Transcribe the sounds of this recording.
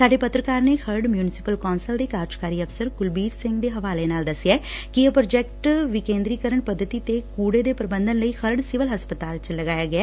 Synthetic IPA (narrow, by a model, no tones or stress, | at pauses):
saːɖeːpət̪ɾəkaːɾneːxʰəɾɖmjuːnɪsɪpəlkɔːnsəld̪eːkaːɾd͡ʒkaːɾiːəfsəɾɡʊlbiːɾsɪ̃ŋɡd̪eːɦəʋaːleːnaːld̪əsːɪjaːkɪopɾoːd͡ʒɛːk̚ʈʋɪkẽːnd̪ɾiːkəɾəɳpəd̪ʱːət̪iːt̪ekuːɽeːd̪eːpɾəbə̃nd̪ənləiːxʰəɾɖsɪʋəlɦəspət̪aːlt͡ʃləɡaːjaːɡɪaː